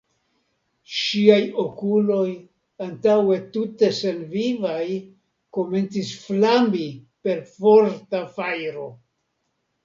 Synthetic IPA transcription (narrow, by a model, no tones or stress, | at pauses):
ʃiajo̞kulo̞j | antawe̞tute̞se̞nvivaj | ko̞me̞nt͡sisflambi | pe̞ɾfo̞ɾtafajɾo̞